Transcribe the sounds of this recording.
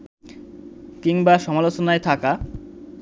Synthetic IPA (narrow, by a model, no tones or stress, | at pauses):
kiŋbaʃɔmalot͡ɕonaet̪ʰaka